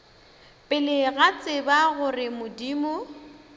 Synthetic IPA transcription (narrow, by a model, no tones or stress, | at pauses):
pʼɪlɪɣat͡sʼɪbaɣʊrɪmʊdiːmʊ